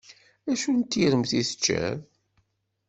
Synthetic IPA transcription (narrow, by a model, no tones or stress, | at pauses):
æʃunt̪ːiɾəmθiθə̥t͡ʃːæ̰ð